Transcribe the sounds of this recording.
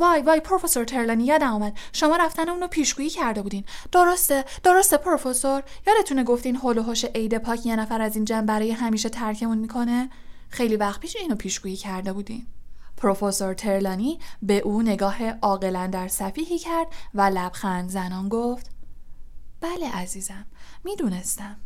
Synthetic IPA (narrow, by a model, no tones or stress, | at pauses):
vɒːjvɒːjpʰɾofeso̞ɾt̪ʰe̞ɾlɒːnijɒːd̪æmuːmæd̪̥ʃo̞mɒːɾæft̪æneuːnopʰiːʃɡ̥uːjiːcʰæɾd̪e̞buːd̪iːnd̪̥oɾost̪ed̪̥o̞ɾo̞st̪epʰɾo̞fe̞soɾjɒːd̪e̞t̪ʰuneɡo̞ft̪iːnɦoloɦoʃeʔejd̪e̞pʰɒːcʰjenæfæɾæziːnd͡ʒæmbæɾɒːjeɦæmiːʃe̞t̪ʰæɾcʰe̞munmikʰo̞ne̞ | xejlivæxt̪piːʃeiːnopʰiːʃɡ̥uːjiːcʰæɾd̪e̞buːd̪ḭnpʰɾofoso̞ɾt̪ʰe̞ɾlɒːnibe̞ʔuːne̞ɡɒːhe̞ʔɒːɣe̞lænd̪æɾsæfiːhiːcʰæɾd̪vælæb̥xænd̪zænɒːnɡoft̪ | b̥æleʔæziːzæmːiːd̪une̞st̪æm